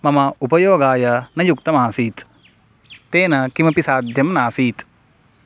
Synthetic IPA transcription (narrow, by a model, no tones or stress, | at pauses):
mɐmɐupɐjoːɡaːjɐnɐjuk̚t̪ɐmaːsiːt̪ː | eːnɐkimɐpisaːd̪ʱjɐmnaːsiːt̪